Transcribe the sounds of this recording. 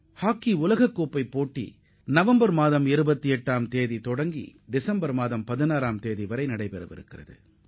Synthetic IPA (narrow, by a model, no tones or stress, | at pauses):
haːkːiʊlɐɣɐkːoːpːɐɪpːoːʈːḭ | nɐʋɐmbɐɾmaːðɐmɪɾɯbɐt̪ːiɛʈːaːmt̪eːðit̪ɔɽɐŋɡḭɖɪsɐmbɐɾmaːðɐmpɐðɪnaːɾaːmt̪eːðiʋɐɾɐɪnɐɽɐɪpɛɾɯʋɪ̰ɾɯ̰kːɪrɐ̰ðɯ̰